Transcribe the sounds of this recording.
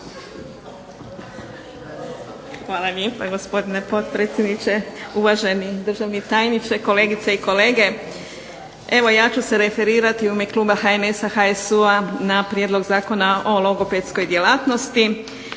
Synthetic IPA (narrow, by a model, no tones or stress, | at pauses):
xʋaːlˠaljeːpaɡo̞spo̞d̪inepo̞t̪pɾet̪sʲjed̪nit͡ʃe̞uʋaʒe̞nid̪r̩ʒaʋnit̪aːjnit͡ʃeko̞le̞ːɡit̪seiko̞leːɡe̞ | e̞ʋo̞jaːt͡ʃuse̞ɾe̞fe̞ɾiːɾat̪iuimekluːbaxaene̞saxaesuanapɾjed̪lˠo̞ɡzaːko̞nao̞loɡo̞pet̪sko̞jd̪jelaːt̪no̞st̪i